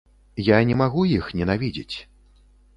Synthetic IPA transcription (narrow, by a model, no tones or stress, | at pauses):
janʲɛmaɣujixnʲɛnavʲid͡zʲḭt͡sʲ